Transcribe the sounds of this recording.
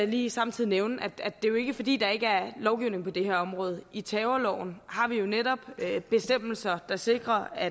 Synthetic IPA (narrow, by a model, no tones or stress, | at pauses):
liːsɑ̈mt͡sʰið̰ˠineʊnʔæd̥ædd̥e̝jo̝e̝ɡ̥əfɒ̽d̥ḭːd̥ɑ̈e̝ɡ̥əæɐlɒʊɡ̥iʊ̰ne̝ŋ̩pʰɒ̽d̥e̝hæɐɒ̽mʁɔ̽ːð̞ˠəit͡sʰɛːʊɐlɒ̰ʊ̰n̩hɑ̈ʋijo̝neɾɒ̽b̥øb̥e̝sd̥em̰l̩sɐd̥ɑ̈se̝ɡ̥ʁɐæ